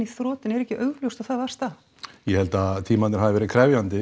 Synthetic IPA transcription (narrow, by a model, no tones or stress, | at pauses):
iθɾɔːt̪ɪnɛɾɛhcːɪʔœɥɣljowst̪aθaðvḁst̪a | jɛhɛlt̪at̪ʰiːmanɪ̥ɾhaðɪvɛːɾɪkʰɾɛvjant̪ɪ